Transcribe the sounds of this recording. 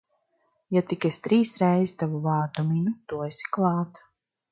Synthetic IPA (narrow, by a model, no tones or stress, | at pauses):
jat̪ikesʲt̪ɾiːsɾɛjzit̪avuvaːɾd̪uminut̪uɔesi̥klˠɑːt̪